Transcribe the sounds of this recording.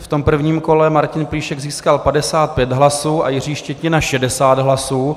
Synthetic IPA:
ft̪o̞mpr̩vɲiːmko̞lɛmaɾcɪnpliːʃɛɡziːskalpadɛsaːt̪̚pjɛd̪ɦlasuːʔajɪr̝iːʃcɛc̪ɲɪnaʃɛdɛsaːd̪ɦlasuː

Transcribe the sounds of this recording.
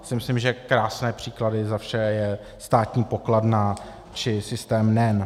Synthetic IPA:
sɪmɪslɪmʒɛkɾaːsnɛːpr̥ikladɪzafʃɛjɛ | st̪aːt̪ɲiːpokladna | t͡ʃɪsɪst̪ɛːmnɛn

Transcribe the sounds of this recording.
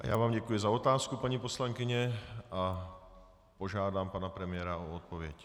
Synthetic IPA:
ʔa̰ja̰ːvaːmɟɛkujɪzao̞t̪aːskupaɲipo̞slaŋkɪɲɛa | po̞ʒaːdaːmpanapɾɛmɪjɛɾaoot̪̚povjɛc

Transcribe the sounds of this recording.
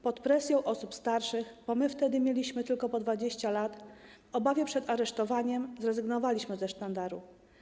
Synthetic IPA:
pɔt̪pɾɛsʲjɔ̃w̃ʔɔsupst̪aɾʂɘxbɔmɘft̪ɛd̪ɘmʲjelʲiɕmɘt̪ɘlkɔpɔd̪vad͡ʑeɕt͡ɕalat̪ | ɔbavʲjɛpʂɛd̪aɾɛʂt̪ɔvaɲɛmzɾɛzɘɡnɔvalʲiɕmɘzɛʂt̪and̪aɾṵ

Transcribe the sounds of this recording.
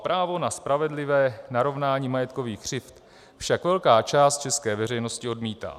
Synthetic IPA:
pɾʔaːvo̞naspɾavɛdlɪvɛːnaɾo̞vnaːɲiːmajɛt̪ko̞viːxkr̝̥ɪft̪ | fʃakvɛlkaːt͡ʃaːst̪̚t͡ʃɛskɛːvɛrɛjno̞scɪo̞dmiːt̪a̰ː

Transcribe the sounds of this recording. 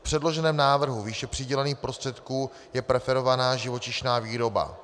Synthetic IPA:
fpr̝̥ɛdlo̞ʒɛnɛːmnaːvr̩ɦuviːʃɛpr̥ɪɟɛlɛniːxpɾo̞st̪r̥ɛt̪kuː | jɛpɾɛfɛɾo̞vanaːʒɪvo̞t͡ʃɪʃnaːviːɾo̞ba̰

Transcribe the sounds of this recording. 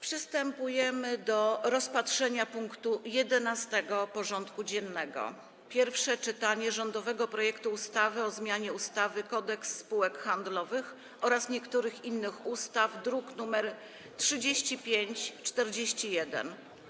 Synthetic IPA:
pʂɘst̪ɛmpujɛmɘd̪ɔɾɔspatʂɛɲapuŋkt̪ujɛd̪ɛnast̪ɛɡɔpɔʐɔnt̪kud͡ʑɛnːɛɡɔ̰ | pʲjɛɾfʂɛt͡ʂɘt̪aɲɛʐɔnd̪ɔvɛɡɔpɾɔjɛkt̪uːst̪avɘɔzmʲjaɲɛust̪avɘkɔd̪ɛksːpuwɛkxand̪lɔvɘx | ɔɾasɲɛkt̪uɾɘxinːɘxust̪avd̪ɾuknumɛɾ | tʂɘd͡ʑeɕt͡ɕipʲjeɲt͡ɕt͡ʂt̪ɛɾd͡ʑeɕt͡ɕijɛd̪ɛ̰n

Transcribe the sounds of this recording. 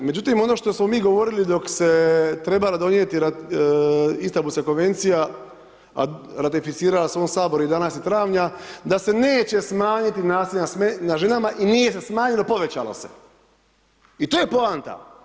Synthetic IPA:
me̞d͡ʑut̪imo̞no̞ːʃt̪o̞smo̞miːɡo̞ʋo̞ɾilid̪o̞kse̞t̪ɾe̞balad̪o̞njet̪iɾa | ist̪abusako̞nʋe̞nt̪sija | a̰ɾat̪ifit̪siːɾalasʋoːmsaːbo̞ɾuid̪anasit̪ɾaːʋɲad̪ase̞neːt͡ɕe̞smaːɲit̪inaːsiʎnasmenaʒe̞namaʔinije̞sesmaːɲelo̞po̞ʋe̞t͡ɕa̰lo̞̰se̞̥̰ | it̪oːjepo̞ant̪a̰

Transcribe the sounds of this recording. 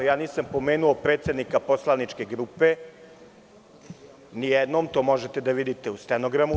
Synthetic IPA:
jaːniːsampo̞me̞ːnuopɾeːt̪sʲe̞d̪nikapo̞slˠanit͡ʃke̞ɡɾupe̞ | nijɛd̪no̞ːmt̪o̞ːmo̞ʒet̪ed̪aʋid̪it̪e̞ust̪enoɡɾamu

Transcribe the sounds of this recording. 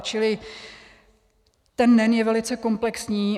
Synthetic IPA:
t͡ʃɪlɪ | t̪ɛnːɛnjɛvɛlɪt͡sɛko̞mplɛksɲiː

